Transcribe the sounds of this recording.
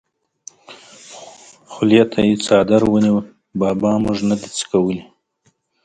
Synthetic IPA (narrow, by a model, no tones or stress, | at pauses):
xʊlijat̪ʰajet͡sɑd̪aɾwəniwə | bɑːbɑmʊʐnad̪it͡sə̥kawəli